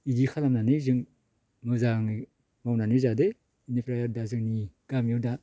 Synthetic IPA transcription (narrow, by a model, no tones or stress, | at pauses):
idikʰalamnanɯzɯŋ | mɯzaŋi | mawnanɯzade | inipɾajaɾdazɯŋniɡ̥amjɯwda